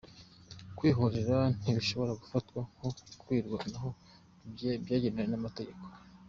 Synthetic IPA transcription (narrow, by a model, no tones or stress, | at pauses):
kwiːɦoɾeɾan̥iβiʃo̞βo̞ɾaɡufatkwahokwiːɾɡanaɦo̞ | bjebjaːɟenewenamate̞ɟe̞ko̥